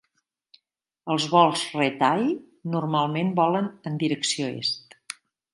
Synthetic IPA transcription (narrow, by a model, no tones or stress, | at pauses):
əlˠzβɔlˠsret̪aj | nurmalˠmenbɔlənənd̪iɾəksioḛst̪